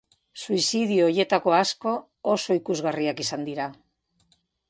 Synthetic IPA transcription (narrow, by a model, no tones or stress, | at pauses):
suisiðiuoje̞t̪ako̞asko̞ | oso̞ikuzɣariakisand̪iɾa